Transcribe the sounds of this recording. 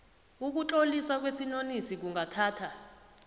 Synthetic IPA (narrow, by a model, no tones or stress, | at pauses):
uk̬ut͡ɬʼoliswak̬wesinonisik̬uŋʱatʰaːtʰa